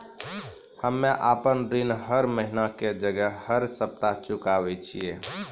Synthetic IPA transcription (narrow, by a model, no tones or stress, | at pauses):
həmːeʔapənɾinɦəɾməɦinaked͡ʒəɡəhəɾsəp̚t̪at͡ʃukaʋɛt͡ʃʰije